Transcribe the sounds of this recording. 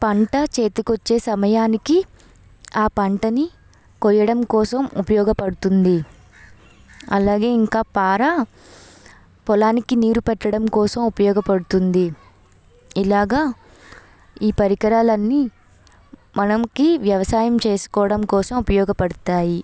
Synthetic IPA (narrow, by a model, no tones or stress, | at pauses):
pɐɳʈɐt͡ʃe̞ːt̪ikot͡ʃːe̞ːsɐmɐjaːniki | aːpɐɳʈɐni | kɔɾjɐɽɐmkɔːsɐmupɐjɔːɡɐpɐɽut̪und̪i | ɐ̰laːɡe̞ːiŋkaːpaːɾa | pɔlaːnikiniːɾupɛʈːɐɽɐmkɔːsɐmupɐjɔːɡɐpɐɽut̪und̪i | ilaːɡaː | iːpɐɾikɐɾaːlɐnːi | mɐnɐmkiʋjɐʋɐsaːjɐmt͡ʃe̞ːsu̥kɔːʋɐɽɐmkɔːsɐmupɐjɔːɡɐpɐɽut̪aːji